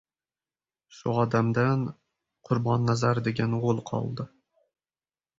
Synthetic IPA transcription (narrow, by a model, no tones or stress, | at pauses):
ʃʊɒd̪amd̪an | qʰʊɾbɒnːazaɾd̪eɡʲanʁolˠqʰɒ̰lˠd̪ɪ